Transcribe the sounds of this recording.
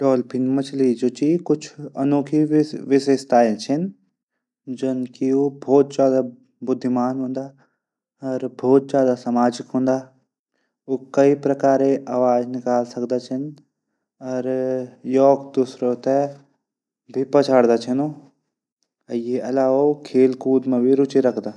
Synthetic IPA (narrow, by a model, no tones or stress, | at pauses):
ɖɔːlpʰɪnmɐt͡ʃʰlid͡ʒoːt͡ʃikʊt͡ʃʰɐ̰noːkʰiʋɪʃest̪aːɪlt͡ʃʰɐn | d͡ʒɐnkioːbʱɔːt̪̚d͡ʒjaːd̪a | bʊd̪ʱːɪmaːnɦõːnd̪aː | ɔːɾbʱɔːt̪̚d͡ʒjaːd̪asamaːd͡ʒɪkɦõːnd̪aː | oːkɐipɾɐkaːɾeʔaːʋaːd͡ʒnɪkaːlsɐkd̪at͡ʃʰɐn | ɔːɾjɔːɡd̪usɾot̪e | bʱipɐt͡ʃʰaːɽd̪aːt͡ʃʰɐnoː | ɐjeɐlaːokʰeːlkuːd̪mẽbʱiɾʊt͡ʃiɾɐkʰd̪aː